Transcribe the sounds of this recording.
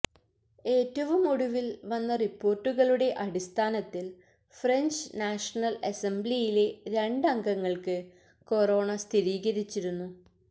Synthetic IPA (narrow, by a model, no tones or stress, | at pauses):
e̞ːtːɐʋumoɽuʋilʋɐnːɐripːo̞ːrʈːuɣɐɭuɽe̞ʔɐɽist̪ʰaːnɐt̪ːil | freɲd͡ʑnaːʂɐnɐlesemblijile̞ɾeɳɖɐŋɡɐŋːɐɭkɨ | ko̞ro̞ːɳɐst̪ʰiɾiːɣɐɾit͡ɕːiɾunːu